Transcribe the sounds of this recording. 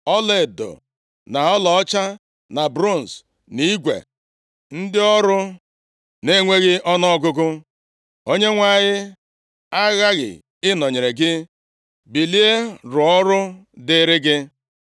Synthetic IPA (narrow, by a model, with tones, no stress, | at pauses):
ɔ˦le˨do̰˨ | na˨ɔ˦lɔ˨˦t͡ʃa˦ | na˨bɾo˦˨n̩˨s | ni˦ɡʷḛ˨ | n̩˦dɪ˦ɔ˦ɾʊ˦ | ne˦ŋʷe˦ɣɪ˦ʔɔ˦nɔ˦ɔ˦ɡʊ˦ɡʊ˦ | o˦ɲe˦ŋʷa˦˨ɲɪ˦ | a˦ɣa˦ɣɪ̰˨ | ɪ˦nɔ˨ɲe˨ɾe˨ɡɪ˦ | bi˨li˦e˦ɾʊ˨ɔ˦ɾʊ˦dɪ˨˦ɾɪ˦ɡɪ˦